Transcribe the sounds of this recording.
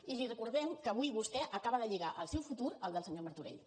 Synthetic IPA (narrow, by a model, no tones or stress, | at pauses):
izirəkuɾðɛmkəβujβust̪ɛʔəkaβəðəʎiɣaʔəlˠsɛwfut̪uɾəlˠd̪əlˠsəɲoməɾt̪uɾḛʎ